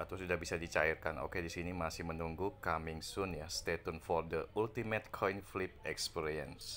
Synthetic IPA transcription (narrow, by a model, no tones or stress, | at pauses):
at̪ʊsudabisadit͡ʃairkano̰kedisinimasɪhmənuŋɡukamiŋsʊnjast̪et̪unfɔrdəʔult̪imɛt̪kʰɔjnflip̚ɛkspiɾiɛ̰ns